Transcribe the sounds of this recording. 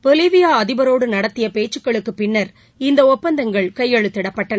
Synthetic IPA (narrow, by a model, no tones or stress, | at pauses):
pɔliʋɪjaːɐðɪbɐɾoːɽɯnɐɽɐt̪ːɪjɐpeːʈt͡ʃːɯkːɐɭɯkːɯpɪɳːɐɾ | ɪnd̪ɐɔpːɐnd̪ɐŋɡɐɭkɐjːɛɻɯt̪ːɪɽɐpːɐʈːɐnɐ